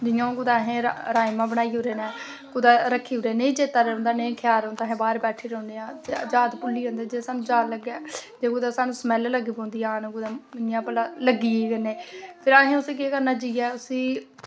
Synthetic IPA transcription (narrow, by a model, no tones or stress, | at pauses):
d͡ʒɪjõːkʊd̪aːɦẽːɾɾaːjmãːbəɽ̃aːiːoːɾeːnɛː | kʊd̪aːɾəkʰːiːɦoːɾeːnẽːd͡ʒeːt̪aːɾõnd̪aːnẽːkʰɪjaːɾõːnd̪aːɦẽːbaːɾbɛːʈʰiːɾ̃ːnd̪ejãːd͡ʒaːd̪pʊlːiːɦõːnd̪aːd͡ʒeːsaːñːd͡ʒaːləɡɛːd͡ʒeːkʊd̪aːsaːnũːsmɛːlləɡiːbõːnd̪iːaːnːɡʊd̪aːɪnjãːpəlaːləɡiːeːɡəneːpʰɪɾaɦẽːʊsiːk̬eːkəɾnaːd͡ʒiːɛːʊsiː